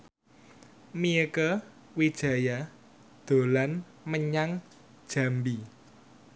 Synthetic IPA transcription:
miəkə | wid̥ʒ̥a̤ja | d̪̥o̤lan | məɲaŋ | d̥ʒ̥ä̤mbi

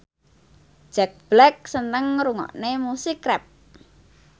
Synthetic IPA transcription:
ʒ̥ɛk̚b̥lɛk̚sənt̪əŋɾuŋɔ̰ʔnemusikrɛp̚

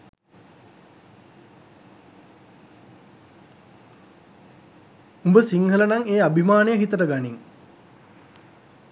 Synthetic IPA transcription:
umbəsiŋhələnaŋeːabʱimaːnejəɦit̪əʈəɡaniŋ

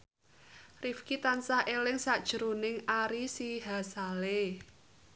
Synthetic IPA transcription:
rifkit̪ansaʔelɪŋsad̥ʒ̥əɾunɪŋaɾisiɦasale

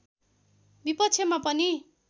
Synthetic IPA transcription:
bipʌtt͡sʰjemapʌni

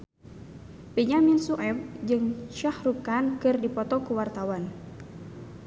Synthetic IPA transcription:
peɲaminsuʔɛbd͡ʒɨŋʃahrukankɨrdipɔt̪ɔkuwart̪awan

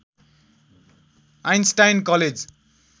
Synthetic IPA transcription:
ajnsʈajnkʌled͡z

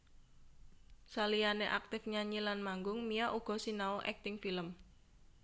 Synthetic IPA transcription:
salijaneʔak̚t̪ɪfɲaɲilanmaŋɡʊŋmijaʔuɡ̥ɔ̤sinaoʔɛk̚t̪ɪŋfiləm

